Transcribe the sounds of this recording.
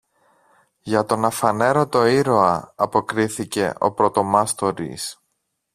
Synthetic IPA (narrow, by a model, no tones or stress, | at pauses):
ʝɐt̪o̞nɐfɐne̞ɾo̞t̪o̞iɾo̞ɐɐpo̞kɾiθice̞ʔo̞̰pɾo̞t̪o̞mɐst̪o̞ɾḭs